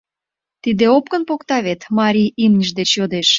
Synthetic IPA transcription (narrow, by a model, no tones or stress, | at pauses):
t̪id̪eop̚kə̆npokt̪ɑβet̪mɑɾʲiimnʲəʃd̪et͡ɕjod̪eʃ